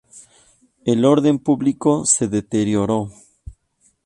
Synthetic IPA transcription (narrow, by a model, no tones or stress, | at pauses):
elo̞ɾðe̞mpuβliko̞se̞ðe̞t̪eɾjoɾo